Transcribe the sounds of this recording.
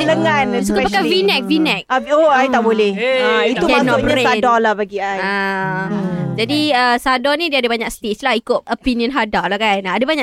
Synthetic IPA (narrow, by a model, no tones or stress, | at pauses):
ləŋansukapakavinɛk̚vinɛk̚aoajt̪aʔbolɛhit̪umnɔapsadɔlahbaɡiaja | d͡ʒadiəsadɔnĩdiadabaɲak̚st̪et͡ʃlahikʊt̪̚opiniə̃nɦadalakanaadabaɲaʔ